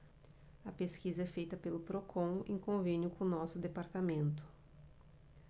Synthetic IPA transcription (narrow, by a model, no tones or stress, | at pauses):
ɐpeskizɐɛfejt̪ɐpelʊpɾokʰõḛ̃kõvẽnjʊkõnɔsʊd̪epaɾt̪amẽnt̪ʊ̥